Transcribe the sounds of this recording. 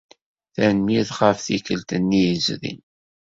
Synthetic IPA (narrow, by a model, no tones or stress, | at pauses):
θænmiðχəfθikəlt̪ənːijəzðḭn